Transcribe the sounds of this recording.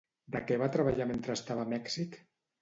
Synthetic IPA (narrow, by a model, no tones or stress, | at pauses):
d̪əkɛβat̪ɾəβaʎament̪ɾəst̪aβamɛksik